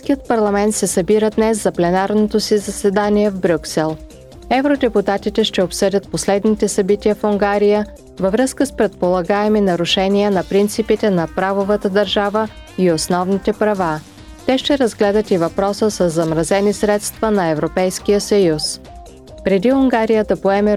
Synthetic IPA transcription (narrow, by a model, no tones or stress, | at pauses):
skijət̪̚pɐɾlˠɐmɛnt̪sɛsɐbiɾəd̪nɛszɐplɛnaɾnot̪osizɐsɛd̪aniɛvbɾʲuksɛlˠ | ɛvɾod̪ɛput̪at̪it̪ɛʃt̪ɛopsɤdʲət̪̚poslɛd̪nit̪ɛsɐbit̪ijəfuŋɡaɾijə | vəvɾɤskəspɾɛt̪̚polˠɐɡaɛminɐɾʊʃɛnijənɐpɾint̪sipit̪ɛnɐpɾavovət̪əd̪ɐɾʒavə | iosnɔvnit̪ɛpɾɐva | t̪ɛʃt̪ɛɾəzɡlɛd̪ət̪ivɐpɾɔsəsəzːɐmɾɐzɛnisɾɛt̪st̪vənɐɛvɾopɛjskijəsɐjus | pɾɛd̪iʊŋɡaɾijəd̪ɐpoɛmɛ